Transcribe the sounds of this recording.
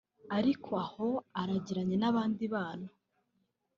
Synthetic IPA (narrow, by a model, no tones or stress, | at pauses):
aɾikʰoaho̞aɾaɟiɾaɲe̞naβaːndiβaːna